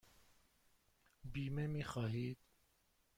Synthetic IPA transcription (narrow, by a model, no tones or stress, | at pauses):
biːmemixaːɦiːd̪